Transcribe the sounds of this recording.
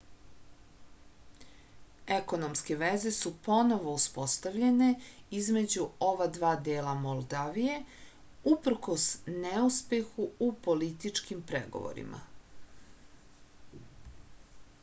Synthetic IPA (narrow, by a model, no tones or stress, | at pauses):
eko̞nomske̞ʋeze̞supo̞no̞ʋo̞uspo̞st̪aʋʎe̞ne̞izme̞d͡ʑuo̞ʋad̪ʋaːd̪eːlamolˠd̪aːʋije̞ | upr̩ko̞sneuspe̞xuupo̞lit̪it͡ʂkimpɾḛɡo̞̰ʋo̰ɾḭmʔa̰